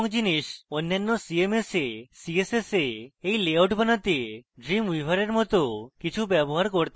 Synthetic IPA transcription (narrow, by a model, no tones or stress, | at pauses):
ŋd͡ʒiniʃɔnːanːɔsiemesesieseseejleawʈbʱanat̪ieɖɾimuijbʱaɾeɾmɔt̪okit͡ʃʰubjɛboɦaɾkɔɾt̪a